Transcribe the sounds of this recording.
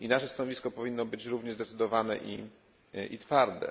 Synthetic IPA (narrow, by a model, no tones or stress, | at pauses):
inaʂɛst̪anɔvʲiskɔpɔvʲinːɔbɘt͡ɕɾuvɲɛʐzd̪ɛt̪sɘd̪ɔvanɛʔḭ | ʔḭt̪faɾd̪ɛ̰